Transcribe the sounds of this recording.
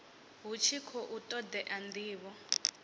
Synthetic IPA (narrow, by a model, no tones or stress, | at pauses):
ɦut͡ʃʰikʰɔʔutʼɔd̪ɛʔandiːβɔ